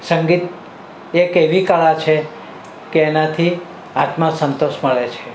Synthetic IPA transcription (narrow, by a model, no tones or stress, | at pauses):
səŋɡit̪ | ekeʋikaɭat͡ʃʰe | keːnat̪ʰi | at̪mãsənt̪oʃməɭet͡ʃʰe